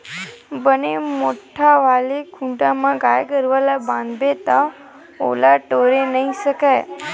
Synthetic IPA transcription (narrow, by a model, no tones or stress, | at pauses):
bənemoʈʰaʋalekʰũɳʈamãɡajkəɾʋalabãnd̪bet̪a | o̰laʈoɾenəɦiʃəkaj